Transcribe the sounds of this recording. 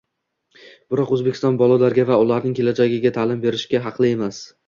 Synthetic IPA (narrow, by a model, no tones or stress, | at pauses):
b̥ɪɾɒqɵzbekʲɪ̥st̪ɒnbɒlˠalaɾɡʲavaʊlaɾnɪŋkʲʰe̞lad͡ʒaɡʲɪɡʲat̪ʰaːlɪmbe̞ɾɪʃkʲaɦɑqʰlˠɪe̞mas